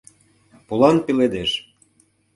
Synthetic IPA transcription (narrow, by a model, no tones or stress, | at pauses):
polɑnpeled̪eʃ